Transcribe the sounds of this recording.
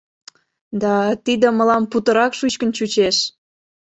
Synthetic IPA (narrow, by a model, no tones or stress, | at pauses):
d̪ɑt̪id̪ə̆məlɑmput̪ə̆ɾɑkʃut͡ɕkə̆nt͡ɕut͡ɕeʃ